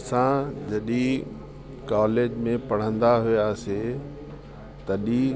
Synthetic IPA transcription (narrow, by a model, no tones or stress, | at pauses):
sãd͡ʑɐɗi | kaːleːd͡ʑmẽpɐɽ̤ə̃nd̪aɦʊjaːse | t̪ɐɗi